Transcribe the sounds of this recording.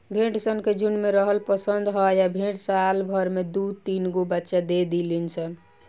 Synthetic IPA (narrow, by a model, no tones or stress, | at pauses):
bʱeʈsənked͡ʒunmeɾəɦəlpəsənd̪ɦɔjabʱeʈsalbʱəɾmed̪ut̪inɡobətːʃad̪ed̪ilinsʰən